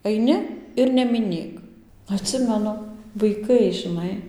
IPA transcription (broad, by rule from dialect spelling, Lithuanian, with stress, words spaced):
ɐɪˈnʲɪ ɪr nʲɛmʲɪˈnʲeːk ɐtʲˈsʲɪmʲɛnʊ ʋɐɪˈkɐɪ ʒʲɪˈnɐɪ